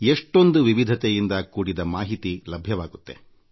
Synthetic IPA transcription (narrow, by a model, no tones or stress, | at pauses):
eʂʈo̞nd̪uʋiʋid̪ʱɐt̪ejind̪ɐkuːɽid̪ɐmaːɦit̪ilɐbʱjɐʋaːɡut̪ːe̞̰